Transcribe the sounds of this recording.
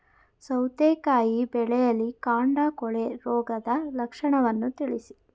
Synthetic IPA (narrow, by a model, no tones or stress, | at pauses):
sɐwt̪eːkaːjibɛɭɛjɐlːikaːɳɖakɔɭeɾɔːɡɐd̪ɐlɐkʂɐɳɐʋɐnːut̪iɭisi